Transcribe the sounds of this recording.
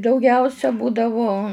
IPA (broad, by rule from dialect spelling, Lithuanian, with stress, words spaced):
dɐʊˈɡʲɛʊsʲɛ ˈbuːdɐʋoː